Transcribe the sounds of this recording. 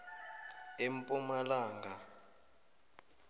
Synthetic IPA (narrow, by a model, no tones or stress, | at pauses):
empʼumalaːŋɡʱa